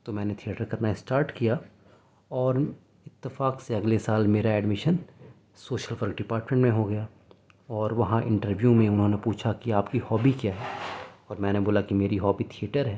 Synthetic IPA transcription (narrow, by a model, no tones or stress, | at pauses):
t̪omɛ̃ːnet̪ʰijeːʈəɾkɐɾnaɪsʈaːɾʈkija | ɔːɾ | ɪt̪ːɪfaːkseɐɡlesaːlmeːɾaɛːɖmɪʃən | soːʃəlʋəɾkɖɪpaːɾʈmẽɳʈmẽɦoɡɐja | ɔːɾʋɐɦãʔɪ̰̃ɳʈəɾʋjumẽʊnɦõːnepuːt͡ʃʰakiaːpkihɔːbikjaːɦɛːɔːɾmɛ̃ːneboːlakimeːɾiɦɔːbit̪ʰieːʈəɾɦɛː